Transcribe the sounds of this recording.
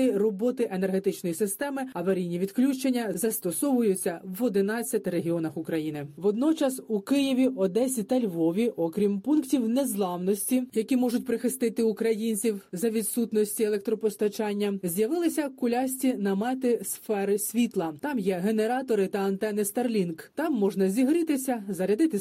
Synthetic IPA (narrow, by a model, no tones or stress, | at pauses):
ɪrɔbɔt̪ɪʔene̞rɦe̞t̪ɪt͡ʃnɔjisɪst̪ɛmɪɐʋɐɾʲijnʲiʋʲid̪klʲut͡ʃenʲːɐzɐst̪ɔsɔʋʊjʊt͡sʲːɐwɔd̪ɪnɑt͡sʲːɐt̪ɪɾeɦʲiɔnɐxʊkɾɐjinɪʋɔd̪nɔt͡ʃɐsukɪjiʋʲiʔɔd̪ɛsʲit̪ɐlʲʋɔʋʲiʔɔkɾʲimpunktʲiwnezlˠɑwnɔsʲtʲijɐkʲimɔʐʊtʲpɾɪxɪst̪ɪt̪ɪukɾɐjinʲt͡sʲiwzɐʋʲid̪sut̪nɔsʲtʲielˠɛk̚t̪ɾɔpɔst̪ɐt͡ʃɑnʲːɐzʲjɐʋɪlˠɪsʲɐkʊlʲɑsʲtʲinɐmɛt̪ɪsfɛɾɪsʲʋʲit̪lˠɐt̪ɑmjɛɦe̞ne̞ɾɑt̪ɔɾɪt̪ɐɐnt̪ɛnɪst̪ɐrlʲinkt̪ɑmːɔʒnɐzʲiɦɾɪt̪ɪsʲɐzɐɾʲɐd̪ɪt̪ɪ